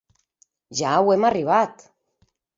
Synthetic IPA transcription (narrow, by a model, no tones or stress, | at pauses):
ʒawemariβ̞at̪